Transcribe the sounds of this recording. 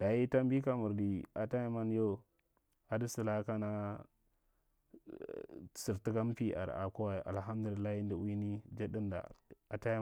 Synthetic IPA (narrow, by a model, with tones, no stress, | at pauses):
d̥a˨ji˦ta˦mbi˦ka˦mu˨ɾdi˨a˨ta˦ja˦ma˦n˦jo˦˨ | a˨di˦si˨la˦ka˦na˦˨ | si˨ɾti˦ka˦m˦pi˦ʔa̰˨ɾa̰˨ku˦wa˨ʔa̰˨lɦa˦mdu˨li˨lːa˦hi˦ndi˨wi˦ni˦d͡ʒe˦di˦nda̰˨a˨ta˦j